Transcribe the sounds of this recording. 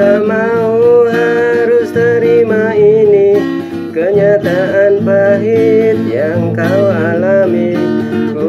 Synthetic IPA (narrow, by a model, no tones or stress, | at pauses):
amauɦaɾʊst̪əɾimaini | kəɲat̪aʔanpaɦit̪̚jaŋkaualamiku